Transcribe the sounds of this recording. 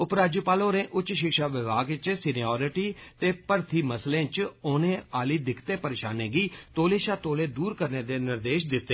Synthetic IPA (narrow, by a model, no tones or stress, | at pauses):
ʊpɾaːd͡ʒuːpaːloːɾẽːʔʊt͡ʃʃɪkʃaːʋɪʋaːɡt͡ʃsɪniɔːɾɪʈiːt̪eːpəɾt̪ʰiːməslẽːt͡ʃoːnẽːaːliːd̪ɪkʰt̪ẽːpəɾeːʃa̰ːnẽːɡiːt̪oːleːʃaːt̪oːleːd̪uːɾkəɾneːd̪eːnɪɾd̪eːʃd̪ɪt̪ːeː